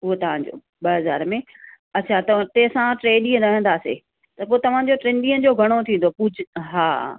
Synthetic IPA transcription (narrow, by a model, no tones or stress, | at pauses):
ʊɦot̪ɐʋ̤ãd͡ʑo̰ː | ɓɐɦɐza̰ːɾmẽ | ɐtt͡ɕʰat̪ɐ̃t̪ẽːsãʈɾeːɗĩːə̃ɾɐɦə̃nd̪aːsḛː | t̪ɐpoːet̪ɐʋ̤ãd͡ʑoʈɾẽːnɖĩːə̃d͡ʑoːɡʱɐɽ̃ot̪ʰĩːn̆d̪opʊd͡ʑʱɦaː